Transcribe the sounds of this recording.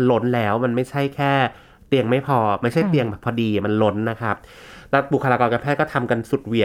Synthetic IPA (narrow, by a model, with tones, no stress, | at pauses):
nlo˦˥nlɛː˦˥wma˧nma˥˩jt͡ɕʰa˥˩jkʰɛː˥˩ | t̪i˧əŋma˥˩jpʰɔː˧ma˥˩jt͡ɕʰa˥˩t̪i˧əŋbɛː˨˩pʰːɔː˧diː˧˩ma˧nlo˦˥nːa˦˥kʰa˦˥p̚ | lɛ˦˥wbu˨˩kʰa˧laː˧kɔː˧nka˧npʰɛː˥˩kɔː˥˩t̪ʰa˧mka˧nsu˨˩t̪̚wi˨˩ə